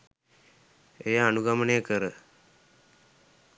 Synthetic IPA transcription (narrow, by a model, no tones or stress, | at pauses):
ejaanuɡamənejəkəɾə